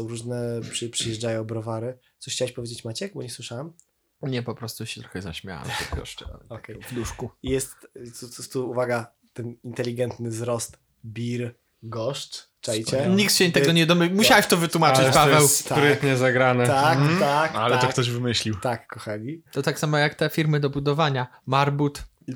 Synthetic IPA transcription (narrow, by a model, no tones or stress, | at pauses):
ɔ̃w̃ɾuʐnɛpʂɨpʂɨjɛʐd͡ʐajɔ̃w̃bɾɔvaɾɘ | ɔɕxt͡ɕawaɕpɔvʲjed͡ʑet͡ɕmat͡ɕɛkbɔɲɛswɘʂawam | ɲɛpɔpɾɔst̪uɕɛt̪ɾɔ̥xɛza̰ɕmʲja̰wa̰mt̪ɛ̰ɡɔ̰ʂtɔkɛjvd̪uʂkujɛst̪ɔɔst̪uuvaɡa | t̪ɛnint̪ɛlʲiɡɛnt̪nɘzɾɔst̪ | bʲiɾ | ɡɔʂt͡ʂ | t͡ʂɛjt͡ɕɛɲikt̪ɕɛt̪ɛɡɔɲɛd̪ɔmmuɕawaɕt̪ɔvɘt̪wumat͡ʂɨt͡ɕpavvɛwssp̪aɾɪt̪ɲɛzaɡɾanɛt̪aakalɛt̪ɔkt̪ɔʑvɘmɘɕlʲiwt̪akːɔxalʲit̪ɔt̪aksamɔjakt̪ɛfʲiɾmɘd̪ɔbud̪ɔvaɲamaɾbut̪